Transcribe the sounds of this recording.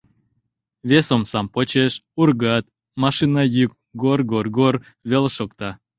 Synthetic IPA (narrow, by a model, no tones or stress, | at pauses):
βesomsɑmpot͡ɕeʃurɣɑt̪ | mɑʃinɑjyk̚ɡorɡorɡor | βelʃokt̪ɑ